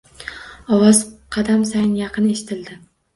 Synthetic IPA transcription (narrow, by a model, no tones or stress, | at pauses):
ɒwɒzqʰɑd̪amsajɪnjɑqʰɨne̞ʃɪ̥t̪ʰɪld̪ɪ